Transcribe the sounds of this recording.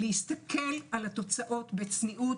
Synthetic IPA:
lehist̪akʰe̞lalat̪o̞t͡saʔo̞t̪bet͡sniʔu

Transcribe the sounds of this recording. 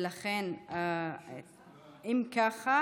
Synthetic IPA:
laχena | imkaχa

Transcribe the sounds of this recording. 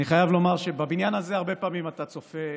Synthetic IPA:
iχajavlo̞maʁʃebabinjanazeaʁbe̞paːmimat̪at͡so̞fe

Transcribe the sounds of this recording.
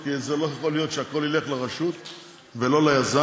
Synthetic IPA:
kizelojaχo̞lijo̞t̪ʃeako̞lile̞χlaʁaʃut̪ | velo̞lajaza

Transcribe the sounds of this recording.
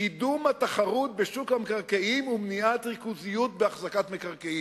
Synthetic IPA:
idumat̪aχaʁut̪̚beʃukhamekaʁkeimumniat̪ʁikuzijut̪̚beaχzakat̪mekaʁkei

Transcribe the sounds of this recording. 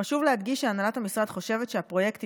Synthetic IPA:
aʃuvlead̪ɡiʃʃeanalathamisʁad̪χo̞ʃe̞vet̪ʃeapʁo̞je̞kt̪

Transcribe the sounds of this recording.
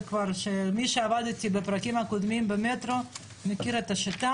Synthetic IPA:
kvaʁʃemiʃeavad̪t̪ibepʁakimakod̪mimbemet̪ɾo̞ | mekiɾet̪aʃit̪a

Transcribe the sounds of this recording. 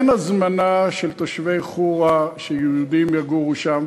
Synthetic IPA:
nazmanaʃelt̪oʃvejχuʁaʃejuud̪imjaɡuʁuʃam

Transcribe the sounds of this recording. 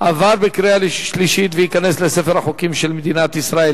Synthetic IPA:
ʔavaʁbekʁealeʃliʃit̪vejikaneslesefeʁaχokimʃelmed̪inat̪isʁael

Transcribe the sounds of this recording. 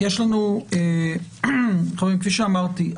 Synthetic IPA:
jeʃlanue | χavimkfiʃeamaʁt̪i

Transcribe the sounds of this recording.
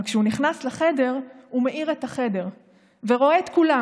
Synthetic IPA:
kʃeuniχnaslaχe̞de̞ʁumeʔiʁetaχe̞de̞ʁ | veʁo̞eːt̪kula

